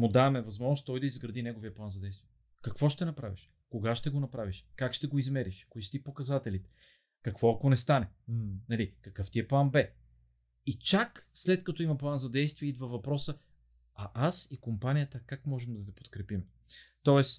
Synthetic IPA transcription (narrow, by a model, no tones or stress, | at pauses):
mʊd̪avɐmɛvɐzmɔʒnost̪t̪ɔjd̪ɐizɡɾɐd̪inɛɡovijəplˠanzɐd̪ɛjst̪viɛ | kɐkv̥ɔʃt̪ɛnɐpɾaviʃ | koɡaʃt̪ɛɡonɐpɾaviʃkakʃt̪ɛɡoizmɛɾiʃkoiʃt̪ipokɐzat̪ɛlit̪ɛ̥ | kɐkv̥ɔɐkonɛst̪anɛnɐlikɐkɤft̪iɛplˠanbɛ | it͡ʃakslɛt̪kɐt̪ɔimɐplˠanzɐd̪ɛjst̪viɛid̪vɐvɐpɾɔsə | ɐʔasikompanʲijət̪əkakmɔʒɛmd̪ɐt̪ɛpo̥t̪kɾɛpim | t̪ɔɛs